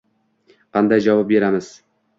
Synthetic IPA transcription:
qʰɑnd̪ajd͡ʒɒvɑp̚be̞ɾamɪz̥

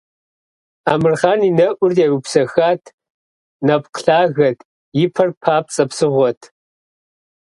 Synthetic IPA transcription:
aːmɨrχaːninɐʔʷʊrɛwupsɐxaːtʰ | nɐpqɬaːɣɐtʰ | jɪpʰɐrpʰaːp̚t͡sʼɐpsɨʁʷɔtʰ

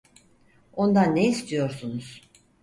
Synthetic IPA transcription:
o̞nd̪anːeist̪ʰijo̞ɾsunuz̥

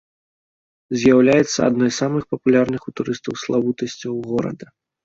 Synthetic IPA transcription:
zʲjawlʲajɛt̪sːɐ̰a̰d̪nɔjsːamɨxpɐpulʲarnɨxut̪uɾɨst̪ɐwslˠavut̪ɐsʲt͡sʲɐwɣɔɾɐ̰d̪ɐ

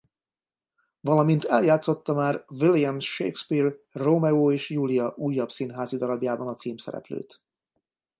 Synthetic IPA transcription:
vɒlɒmint̪ɛljaːt̪so̞t̪ːɒmaːrvilijɛmʃḛːkspirromɛoːeːʃjuːlijɒʔuːjːɒpsinɦaːzid̪ɒɾɒbjaːbɒnɒt̪siːmsɛ̰ɾɛ̰plø̰ːt̪

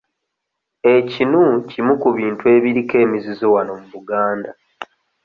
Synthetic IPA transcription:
e̞cinucimukuβiːntue̞ːβiɾike̞ːmizizowano̞muβuɡaːnda

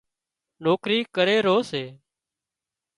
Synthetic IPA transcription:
noːkɾiːkəɾeːɾoːseː

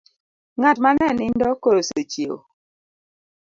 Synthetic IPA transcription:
ŋatmanɛnindɔkoɾosot͡ʃio̰

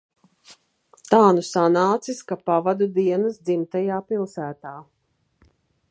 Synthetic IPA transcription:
t̪aːnusanaːt̪siskapavad̪ud̪iɛnɐsd̪zimt̪ɛjaːpilˠsæːt̪aː

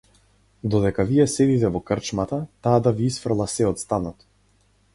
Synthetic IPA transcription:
d̪ɔd̪ɛkavijɛsɛd̪it̪ɛvɔkrt͡ʃmat̪at̪aːd̪aviisfr̩lˠasɛɔt̪st̪anɔt̪

